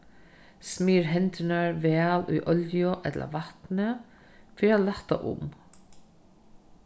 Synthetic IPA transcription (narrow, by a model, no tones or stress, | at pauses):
smiːɾɦɛnt̪ɪnaɹʋɛːlṵjʔɔljʊʔɛt̪lʔa̰ʋaht̪nə | fiːɾalaht̪a̰ʔʊ̰m